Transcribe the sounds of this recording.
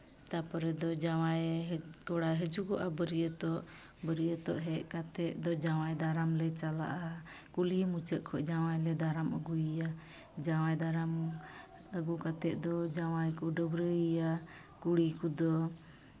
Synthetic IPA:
t̪apɔɾɛd̪ɔd͡ʒawajɦkɔɽajɦəd͡ʒukɔʔabəɾijət̪ɔʔ | bəɾijət̪ɔʔɦɛʔkat̪ɛʔ̪̚d̪ɔd͡ʒawajd̪aɾamlɛt͡ʃala̰ʔa | kulimut͡ʃəʔ̚kʰɔʔd͡ʒawajlɛd̪aɾaməɡujija | d͡ʒawajd̪aɾam | əɡukat̪ɛʔ̪̚d̪ɔd͡ʒawajkuɖəbɾəija | kuɽikud̪ɔ

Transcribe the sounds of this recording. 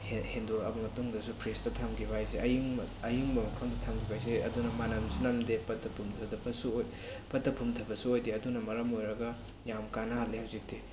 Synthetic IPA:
henduɾɐ̰bɐmɐtuŋdɐsupʰɾistɐtʰamɡibʱajseʔɐiŋɐjiŋbɐmɐkʰɐmdɐtʰamɡibʱajs̬eɐ̰dunɐmanɐmsunamdepɐt̚ːɐpʰumtʰɐdɐbɐsuoj | pɐt̚dɐpʰumtʰɐbɐsuojdeɐdunɐmɐɾɐmojɾɐɡɐ | jamkanɐhalːehawzik̚te

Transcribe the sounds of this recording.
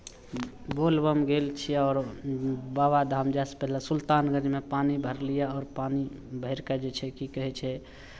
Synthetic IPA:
bolbəmɡelt͡ʃʰiɔːɾ | babad̪ʱamd͡ʒaspɛɦlasult̪anɡəd͡ʒmepanibʱəɾlijaɔːɾpanibʱəɪɾkad͡ʒet͡ʃʰɛkikəɦɛt͡ʃʰɛ

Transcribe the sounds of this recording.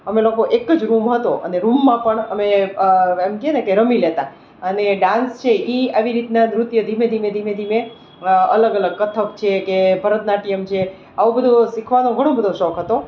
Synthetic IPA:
əmelokoʔekəd͡ʒɾumɦət̪oʔə̰neɾumːãpəɳəme | emkienekeɾəmilet̪a | əneɖãnst͡ʃʰeʔiaʋiɾit̪nanɾut̪jəd̪ʱimed̪ʱimed̪ʱimed̪ʱime | ələɡələɡ̚kət̪ʰəkt͡ʃʰekebʱəɾət̪naʈijəmt͡ʃʰe | aʋõbʱəd̪ʱosikʰʋanõɡʱəɽ̃õbʱəd̪ʱoʃɔkʰɦət̪o

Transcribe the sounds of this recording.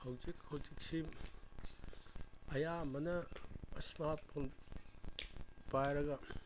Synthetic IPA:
hɐwzikhɐwd͡ʒik̚si | ɐjamɐnɐːsmat̚pʰon | pajɾɐɡɐ

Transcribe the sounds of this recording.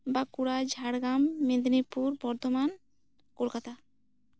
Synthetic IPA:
bakuɽad͡ʑʱaɽɡamːed̪nipuɾbɔɾd̪ʱoman | koɾkat̪a

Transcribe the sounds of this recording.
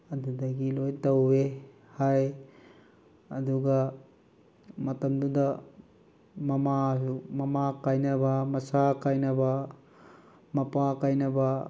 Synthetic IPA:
ɐdudɐɡilojtɐwbe | haj | ɐduɡɐ | mɐtɐmdudɐ | mɐmaumɐmakajnɐbɐmɐsakajnɐbɐ | mɐpakajnɐbɐ

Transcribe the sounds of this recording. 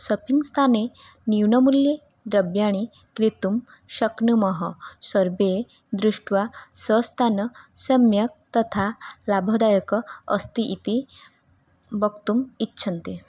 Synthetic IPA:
sɔpʰiŋst̪ʰane | niwɳɔmulje | d̪ɾɐbjaɽ̃i | kɾit̪um | ʃəknumɔɦɔsɔɾbe | d̪ɾuʂʈʋasəst̪ʰanɔsɐmjɐk̚t̪ɔt̪ʰalabʱɔd̪ajəkɔ̰ːst̪iʔit̪i | bʌkt̪umitːʃʰɐnt̪i

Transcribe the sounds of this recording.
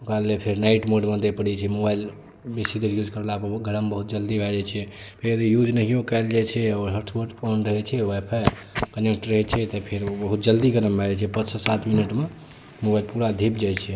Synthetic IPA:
okɾalepʰeɾnaiʈmoɖmə̃d̪epəɽɛt͡ʃʰɛmobail | besid̪əɾjud͡ʒkəɾlapəɡʱəɾəmbəɦut̪̚d͡ʒəld̪ibʱɛd͡ʒat͡ʃʰɛ | pʰeɾjəd̪ijud͡ʒnəɦijokaɪld͡ʒajt͡ʃʰɛɔːɾɦəɾʈʰwəɾʈɔnɾəɦɛt͡ʃʰɛwepʰa | kənek̚ʈɾːəɦɛt͡ʃʰɛt̪ɔpʰeɾbəɦut̪̚d͡ʒəld̪iɡəɾəmbʱɛd͡ʒɛt͡ʃʰɛpət̪sʰəsat̪ʰminəʈme | mobailpuɾad̪ʱipd͡ʒajt͡ʃʰɛ

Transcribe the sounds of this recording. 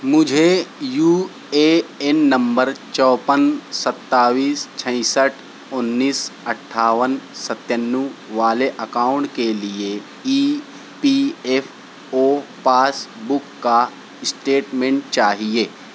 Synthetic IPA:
mʊd͡ʒʱejuː | eɛnːɐ̃mbəɾt͡ʃɔːpənsɐt̪ːaːʋiːst͡ʃʰə̃ɪ̃səʈʰ | ʊnːiːsɐʈʰːaːʋənsət̪jənːuʋaːleʔɐkaːʊ̃ɳʈkelie | iː | piːefʰ | oːpaːsbʊkːa | ɪsʈeːʈmẽːɳʈ̚t͡ʃaːɦieː

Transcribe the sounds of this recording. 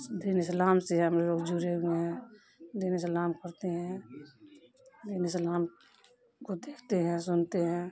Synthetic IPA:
d̪iːnɪslaːmseɦɛɦəmɾeloːɡd͡ʒuɾeueɦɛ̃ | d̪iːnɪslaːmkəɾt̪eɦɛ̃ | d̪iːnɪslaːm | kod̪eːkʰt̪eɦɛ̃sʊnt̪eɦɛ̃ː

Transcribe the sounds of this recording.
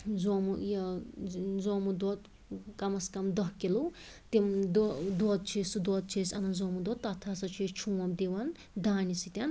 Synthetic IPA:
zomujɐ | zomud̪ɔt̪ | kɐmɐskɐmd̪ɐɦkilut̪imd̪d̪ɔt̪̚t͡ʃʰisud̪wɔt̪̚t͡ʃʰisɐnɐzomud̪ɔt̪ːɐt̪ʰasɐt͡ʃʰit͡ʃʰũwɐmd̪iʋɐn | d̪aːnisit̪ʲan

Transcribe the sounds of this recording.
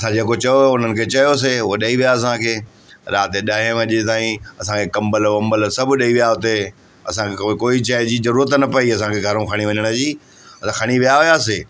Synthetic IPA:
ɐsãd͡ʑeːkot͡ɕɐjoʊn̤ənɪ̆kʰeːt͡ɕɐjos̬eʊɦoɗɐiʋijaɐs̬ãkʰeː | ɾaːt̪eɗaːɦẽʋə̃ʄet̪aːĩɐsãkʰekɐ̃mbəlɐ̃mbəlsɐbʱɗɐiʋijaɦʊt̪e | ɐ̰sãkkoːit͡ɕəːɦd͡ʑiːzɐɾuːɾət̪nɐpɐiɐsãkʰeɡʱɐɾũkʰɐɽ̃iʋɐɲəɽ̃ə̆d͡ʑiː | ɐsãkʰɐɽ̃iʋijaɦʊjaːs̬eː

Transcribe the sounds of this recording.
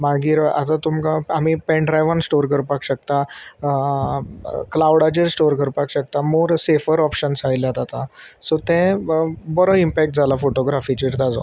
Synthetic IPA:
maɡiːɾa̰t̪at̪umkaamipɛ̃ɳʈɾajʋansʈoɾkəɾpakɕək̚t̪a | klawɽat͡ɕeɾsʈoɾkəɾpakɕək̚t̪amoɾsefəɾɔpɕənsajlat̪at̪asot̪ɛ̃bəɾoimpɛk̚ʈ̚d͡zʱalafoʈoɡɾafit͡ɕiɾt̪ad͡za̰

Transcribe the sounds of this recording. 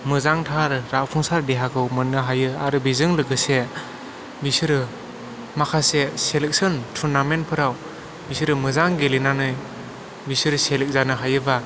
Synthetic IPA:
mɯzaŋtʰaɾːak̚pʰuŋsaɾdeɦakʰɯwmɯnːɯɦajɯaɾɯbizɯŋlɯɡɯse | bisɯɾɯ | makʰaseselek̚sɯntʰuɾnamenpʰɯɾaw | bisɯɾɯmɯzaŋɡelinanɯj | bisɯɾselek̚zanɯɦajɯba

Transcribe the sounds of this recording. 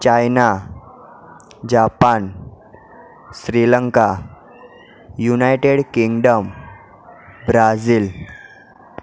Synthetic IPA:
t͡ɕajna | d͡ʑapan | ɕɾiləŋka | junajʈeɽkiŋɡɖəm | bɾad͡ziːl

